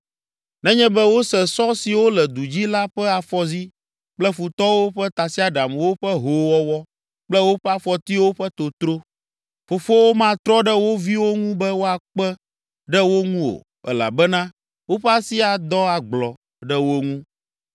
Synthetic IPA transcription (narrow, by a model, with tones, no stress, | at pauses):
nɛ̃˦ɲɛ̃˦bɛ˦wo˦sɛ˨sɔ˦si˨wo˦lɛ˨d̪u˨d͡ʑi˦la˦ɸɛ˦a˨fɔ˦zi˦ | k͡plɛ˦fu˨t̪ɔ˦wo˦ɸɛ˦t̪a˨si˦a˦ɖa˨m˨wo˦ɸɛ˦ɦo˨wɔ˦wɔ˦ | k͡plɛ˦wo˦ɸɛ˦a˦fɔ˨t̪i˦wo˦ɸɛ˦t̪o˨t̪ɾo˦ | fo˨fo˦wo˦mã˦t̪ɾɔ˦ɖɛ˦wo˦vi˦wo˦ŋũ˦bɛ˦wo˦a˨k͡pɛ˦ | ɖɛ˦wo˦ŋũ˦o̰˨ | ɛ̰˦la̰˨bɛ˦nã˦ | wo˦ɸɛ˦a˦si˦a˨d̪ɔ˦a˨ɡ͡blɔ˨ | ɖɛ˦wo˦ŋũ˦